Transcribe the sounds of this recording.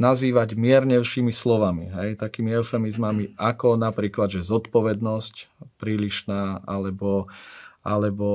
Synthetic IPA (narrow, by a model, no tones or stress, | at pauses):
naziːʋaɟmɪɛɾɲɛʊʃiːmislɔʋamḭɦɛjt̪akiːmiɛʊfɛmizmamiʔakɔnapɾiːklad̪ʒɛzɔt̪pɔʋɛd̪nɔscpɾiːʎiʃnaːʔalɛbɔʔalɛbɔ